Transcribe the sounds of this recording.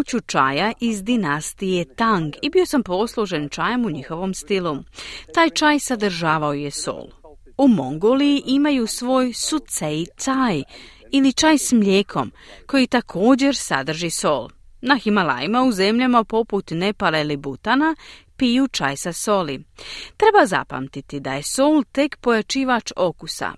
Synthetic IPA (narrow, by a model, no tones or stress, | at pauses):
ut͡ɕut͡ʃa̰jaʔizd̪inast̪ije̞t̪aŋɡibio̞sampo̞slˠoʒe̞nt͡ʃaːjamuɲixo̞ʋo̞mst̪ilut̪aːjt͡ʃaːjsad̪r̩ʒaːʋaoje̞so̞̰ːlˠ | umo̞ŋɡo̞ːlijiʔimajusʋo̞ːjsut̪sej̪saj | ilit͡ʃaːjsmʎeːkʰo̞̰m | ko̞jit̪akʰo̞ːd͡ʑe̞ɾsa̰d̪r̩ʒiso̞̰lnaximala̰jimauze̞mʎamapo̞put̪ne̞palelibut̪anapijut͡ʃa̰jsaso̞lit̪ɾe̞baza̰pa̰mt̪it̪id̪aje̞soːlt̪e̞kpo̞jat͡ʃiːʋat͡ʃo̞kusa̰